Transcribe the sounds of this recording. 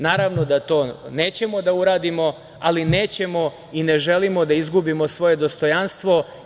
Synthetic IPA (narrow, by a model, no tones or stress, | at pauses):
naːɾaʋno̞d̪at̪o̞ːne̞ːt͡ɕe̞mo̞d̪auɾaːd̪imo̞ | aline̞ːt͡ɕe̞mo̞ | ine̞ʒe̞limo̞d̪aizɡubimo̞sʋo̞je̞d̪o̞st̪o̞janst̪ʋo̞